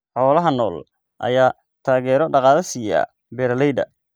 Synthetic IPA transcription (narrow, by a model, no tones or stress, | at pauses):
ħɔːlɐɦɐnɔːl | ʔɐ̰jaː | t̪ʰaːɣɛːɾɔɖɑqɑːðɐsiːja̰ː | bɛːɾlɛjd̪ɐ̰